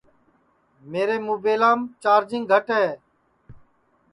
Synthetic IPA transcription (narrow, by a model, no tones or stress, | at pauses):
meːɾeːmuːbeːlãːmt͡ʃaːɾd͡ʒɪ̃ŋɡɡʱəʈɦeː